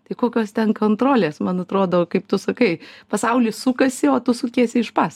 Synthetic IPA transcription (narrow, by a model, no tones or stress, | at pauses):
t̪ɐɪkoːkʲoːst̪ʲɛnkoːnt̪ɾoːlʲeːsmɐnɐt̪ɾoːd̪okɐɪpt̪ʊsɐkɐɪpɐsɐʊlʲɪsʊkɐsʲɪoːt̪ʊsʊkʲeɛsʲɪɪʃpɑs